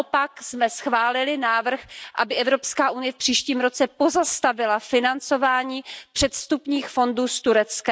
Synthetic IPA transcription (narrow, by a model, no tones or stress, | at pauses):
opaksmɛsxvaːlɪlɪnaːvr̩xʔa̰bɪʔɛvɾo̞pskaːʔunɪjɛfpr̥iːʃciːmɾo̞t͡sɛpo̞zast̪avɪlafɪnant͡sovaːɲiːpr̥ɛt̪st̪upɲiːxfo̞nduːst̪uɾɛt͡skɛ